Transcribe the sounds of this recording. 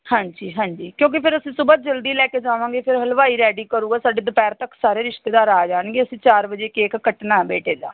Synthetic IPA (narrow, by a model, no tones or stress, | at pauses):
hãːɲd͡ʒiːɦãːɲd͡ʒiːkjõːk̬ɪpʰɪɾəsĩːsʊbət̪̚d͡ʒəld̪iːlɛːkeːd͡ʒaːʋãːɡeːpʰɪɾɦəlʋaːiːɾɛːɖiːkəɾuːɡaːsaːɖeːd̪ʊpɛːɾt̪əksaːɾeːɾɪʃt̪eːd̪aːɾaːd͡ʒaːɳɡeːəsĩːt͡ʃaːɾbəd͡ʒeːkeːkːəʈnaːbeːʈeːd̪a̰ː